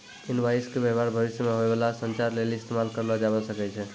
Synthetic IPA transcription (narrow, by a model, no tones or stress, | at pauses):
inbajskebebaɾbʱəbisjəmeɦoebalasənt͡ʃaɾlelist̪ʰemalkəɾnʌd͡ʒabəsəkɛt͡ʃʰɛ